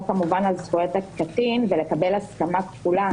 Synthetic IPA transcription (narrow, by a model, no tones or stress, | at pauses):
kamuvanalzχujot̪akkat̪invele̞kabelaskamakfula